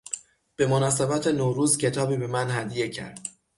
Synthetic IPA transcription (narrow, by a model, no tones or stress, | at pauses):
b̥e̞monɒːse̞bæt̪ʰe̞noɾuːzcʰe̞t̪ʰɒːbiːbe̞mænhæd̪je̞cʰæ̰ɾd̪̥